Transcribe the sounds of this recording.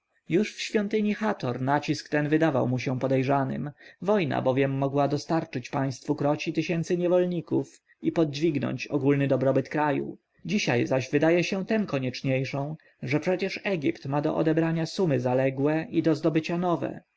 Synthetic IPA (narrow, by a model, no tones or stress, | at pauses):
juʂfɕfʲjɔnt̪ɘɲixat̪ɔɾnat͡ɕiskt̪ɛnvɘd̪ava̰wmuɕɛpɔd̪ɛjʐanɘ̰mvɔjna̰bɔvʲjɛmːɔɡwad̪ɔst̪aɾt͡ʂɘt͡ɕpaj̃st̪fukɾɔt͡ɕit̪ɘɕɛnt̪sɘɲɛvɔlɲikuf | ipɔd̪̚d͡ʑvʲiɡnɔ̰ɲt͡ɕɔ̰ɡulnɘd̪ɔbɾɔbɘt̪kɾajṵ | d͡ʑiɕa̰jzaʑvɘd̪ajɛɕɛt̪ɛmkɔɲɛt͡ʂɲejʂɔ̃w̃ | ʐɛpʂɛt͡ɕɛʂɛɡʲipt̪mad̪ɔ̰ʔɔ̰d̪ɛbɾaɲasumɘzalɛɡwɛid̪ɔzd̪ɔbɘt͡ɕanɔvɛ̰